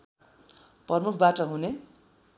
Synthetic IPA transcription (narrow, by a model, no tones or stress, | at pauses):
prʌmukʰbaʈʌɦune